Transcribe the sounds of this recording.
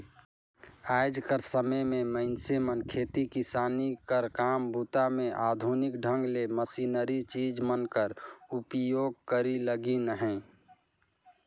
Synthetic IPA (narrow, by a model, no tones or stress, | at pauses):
aːɪd͡ʒkəɾsəməmẽməɪnsemənkʰeːt̪ikɪsaːnikəɾkaːmbʱut̪amẽʔaːd̪ʱunɪkɖʱə̃ŋɡleməsiːnəɾit͡ʃiːd͡ʒmənkəɾupjoːɡ̚kəɾiləɡinəɦɛ̃